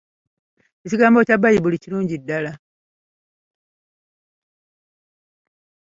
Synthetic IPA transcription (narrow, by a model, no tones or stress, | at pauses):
eciɡaːmbo̞tabːajiβuliciɾuːɲɟidːala